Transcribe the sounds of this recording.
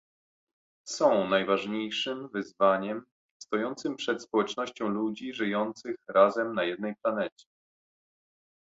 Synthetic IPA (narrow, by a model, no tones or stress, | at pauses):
sɔ̃w̃najvaʐɲejʂɘmvɘzvaɲɛm | st̪ɔjɔnt̪sɘmpʂɛt̪spɔwɛt͡ʂnɔɕt͡ɕɔ̃w̃lud͡ʑiʐɘjɔnt̪sɘxɾazɛmnajɛd̪nɛjplanɛt͡ɕɛ̥